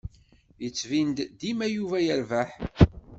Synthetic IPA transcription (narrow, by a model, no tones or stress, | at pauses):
jət͡sːvind̪d̪imæjuvæjəɾvæħ